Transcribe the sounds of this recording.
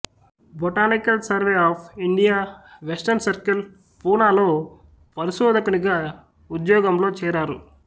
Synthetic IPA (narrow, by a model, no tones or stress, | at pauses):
boʈaːnikɐlsɐɾʋeːaːpʰiɳɖijaːʋesʈɐɾnsɐɾkɐl | puːnaːlo̞ː | pɐɾiʃoːd̪ʱɐkuniɡaː | ud̪jɔːɡɐmlo̞ːt͡ʃɛːɾaːɾṵ